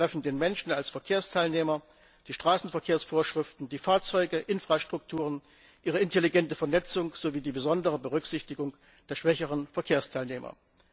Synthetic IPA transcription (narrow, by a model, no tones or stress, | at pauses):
ʁ̥ɛfn̩deːnmɛnʃn̩alsfɛɐkʰeːɐstʰaɪlneːmɐ | d̥iːʃtʁ̥aːsn̩fɛɐkʰeːɐsfoːɐʃʁ̥ɪftn̩diːfaːɐt͡sɔʏɡəʔɪnfʁ̥aʃtʁ̥ʊk̚tʰuːʁ̞ən | ʔiːʁ̞əɪnteliɡɛntəfɛɐnɛt͡sʊŋz̥oviːdiːbəzɔndəʁəbəʁʏkz̥ɪçtɪɡʊŋ | d̥eːɐʃv̥ɛçəʁənfɛɐkʰeːɐstʰaɪlneːmɐ̰